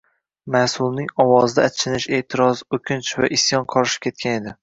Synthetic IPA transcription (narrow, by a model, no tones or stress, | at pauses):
masʊlˠnɪŋɒwɒzd̪aːt͡ʃʰɪnɪʃe̞ht̪ʰɪɾɒzokʲʰɪnt͡ʃvaʔɪsjɒnqʰɒɾʃɪ̥p̚kʲʰe̞t̪̚kʲʰane̞d̪ɪ